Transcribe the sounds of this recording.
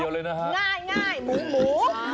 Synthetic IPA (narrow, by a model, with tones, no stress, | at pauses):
o˧le˧na˧ŋaː˧˩jŋaː˧˩jɓu˨˦ŋɓu˨˦